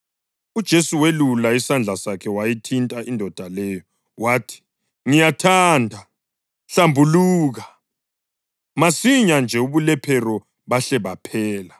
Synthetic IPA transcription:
ud̥ʒ̥ʱesuwelulaisand͡ɮʱasakʰɛwajitʰintʼaʔindʱɔd̥ʱalɛːjɔ | waːtʰi̥ | ŋijatʰaːndʱa | ɬambʱuluːɣa | masiɲand͡ʒʱɛuβulɛpʰɛɾɔ | βaɬɛβapʰɛːla

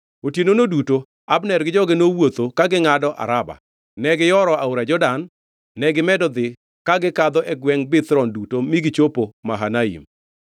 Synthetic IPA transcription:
otjenonoduto | abnɛɾɡɪd͡ʒɔɡɪnowot̪okaɡɪŋadɔʔa̰ɾaba̰ | nɛɡɪjɔɾɔaoɾad͡ʒɔdanː | ɛɡɪmɛdɔd̪ɪ | kaɡɪkad̪ɔʔɛɡwɛŋbɪt̪ɾɔndutomiɡɪt͡ʃopomaɦanaḭm

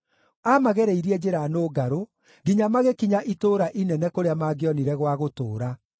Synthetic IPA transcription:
amaɣɛɾeiɾiɛd͡ʑeɾanoːɡaɾo | ɡiɲamaɣekiɲaʔitoːɾaʔinɛnɛkoɾeamaːɡeɔniɾɛɣwaɣoto̰ːɾa

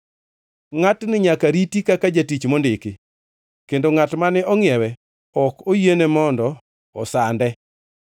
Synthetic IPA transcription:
ŋatnɪɲakaɾitikakad͡ʒatit͡ʃmondɪkɪ | kendoŋatmanɛʔɔŋɪɛwɛ | ɔkojenemɔndɔ | ɔ̰sandɛ

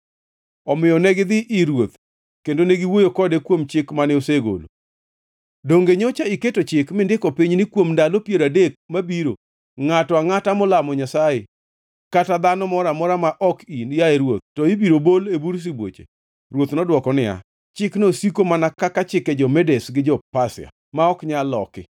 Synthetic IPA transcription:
ɔmɪjɔnɛɡɪd̪ɪʔːɾwot̪ | kendoneɡiwojokɔdekwomt͡ʃɪkmanɛoseɡo̰lo̰ | doŋɡeɲot͡ʃaɪketot͡ʃɪkmɪndɪkɔpiɲnɪkwomndalopjeɾadek̚mabiɾo | ŋatɔaŋatamʊlamɔɲasaje | katad̪anɔmɔɾamɔɾamaʔɔkinjaeɾwot̪̚tːɔibiɾobolebuɾs̬ibwo̰t͡ʃḛ | ɾwot̪nɔdwɔkɔnɪa̰ | t͡ʃɪknosikomanakakat͡ʃɪkɛd͡ʒɔmɛdesɡɪd͡ʒɔpasɪ̰a̰ | maɔkɲalɔ̰kɪ̰

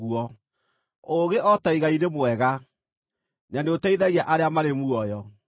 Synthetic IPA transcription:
uɔ | oɣeʔɔtaiɣainemwɛɣa | naneotaiðaɣiaʔaɾeamaɾemuɔjɔ

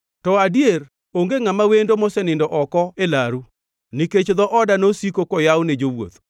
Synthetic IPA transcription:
tɔadijeɾ | oŋɡeŋamawendomɔsɛnɪndɔʔɔkɔelaɾu | niket͡ʃd̪ɔʔɔdanosikokɔjawned͡ʒowo̰t̪

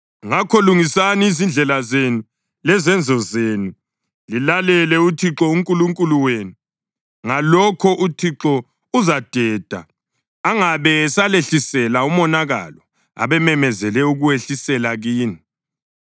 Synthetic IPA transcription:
ŋakʰɔluŋisaniːzind͡ɮʱɛlazenu | lɛzɛnd͡zʱɔzeːnu | lilalɛlɛutʰiǁɔuŋkʼuluŋkʼuluweːnu | ŋalɔkʰɔʔutʰiǁɔ | uzad̥ʱɛːd̥ʱa̰ | aŋaβɛsaleɬisɛlaumɔnaɣa̰lɔ | a̰βɛmɛmɛzɛlɛuɣuweɬisɛlaɣiːni

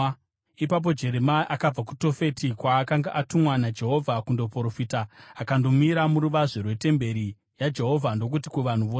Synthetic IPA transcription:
ipap̬o̞d͡ʒe̞ɾemaʔakab͡vaku̥to̞fe̞tikwaːkaŋɡaʔatumwanad͡ʒe̞ɦo̞vʱakundo̞poɾofitaːkando̞miɾamuɾuʋaʐerwe̞te̞mbe̞ɾi | jad͡ʒe̞ɦo̞vʱando̞k̬ut̬ikuʋan̤uʋoːse

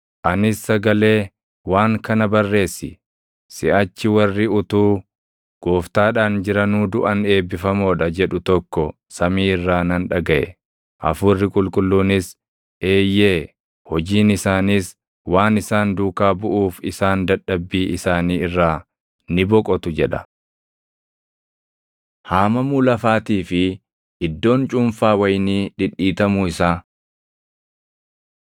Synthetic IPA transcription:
ʔɐnɪsːɐɡɐle̞ː | waːŋkɐnɐbɐrːe̞ːsːɪ | sɪʔɐt͡ʃːɪwɐrːɪʊt̪uː | ɡ̥oːft̪aːᶑaːnd͡ʒɪɾɐnuːd̪ʊʔɐne̞ːbːɪfɐmoːᶑɐd͡ʒɛᶑʊt̪ɔkːɔ | sɐmiːɪrːaːnɐnᶑɐɡɐʔɛ̰ | ʔɐ̰fʊrːɪkʼʊlkʼʊlːuːnɪs | ʔe̞ːjːeː | hɔd͡ʒiːnɪsaːniːs | waːnɪsaːnd̪uːkaːbʊʔuːfɪsaːnd̪ɐᶑːɐbːiːʔɪsaːniːɪrːaː | nɪbɔkʼɔt̪ʊd͡ʒɛᶑɐ̥ | haːmɐmuːlɐfaːt̪iːfɪ | ʔɪd̪ːo̞ːnt͡ʃʼʊmfaːwɐjniːᶑɪᶑiːt̪ɐmʊɪsaː

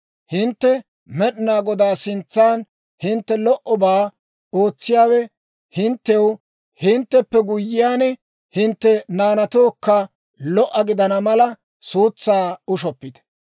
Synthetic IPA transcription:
hɪnt̪ːɛ | mɛɗɪnaːɡɔd̪aːsɪnt͡sːaːn | hɪnt̪ːɛlɔʔɔbaː | oːt͡sːɪjaːwɛ | hɪnt̪ːɛw | hɪnt̪ːɛpːɛɡʊjːɪjaːnɛ | hɪnt̪ːɛnaːnɐt̪oːkːɐ | lɔʔːɐɡɪd̪ɐnɐmɐlɐ | suːt͡sːaːʊʃɔpːɪd̪ɛ̥

